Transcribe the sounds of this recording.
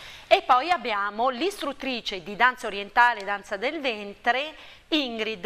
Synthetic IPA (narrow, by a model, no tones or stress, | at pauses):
epːɔjabːjaːmolist̪ɾut̪ːɾiːt͡ʃed̪id̪ant̪saoɾjent̪aːled̪ant̪sad̪elvɛnt̪ɾe | iŋɡɾid̪